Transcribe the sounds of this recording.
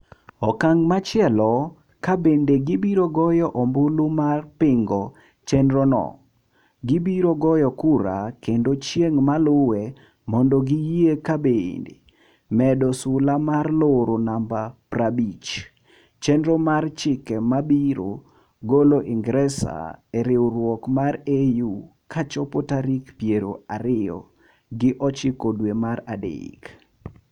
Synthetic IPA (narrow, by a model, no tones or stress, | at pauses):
ɔkaŋmat͡ʃɪɛlɔ | kabendeɡibiɾoɡɔjɔʔɔmbʊlumarpɪŋɡɔ | t͡ʃɛndɾɔnɔ̰ | ɡibiɾoɡɔjɔkuɾa̰kendot͡ʃjeŋmalʊwe | mɔndɔɡijiekabḛndḛ | mɛdɔsʊlamarloɾonambaprabit͡ʃ | t͡ʃɛndɾɔmart͡ʃɪkɛmabiɾo̰ | ɡoloʔɪŋɡɾɛsa̰eɾɪwɾwɔkmaɾeju | kʰat͡ʃɔpotaɾikpjeɾoaɾɪɔ̰ | ɡɪʔɔt͡ʃɪkodwemaradɪ̰k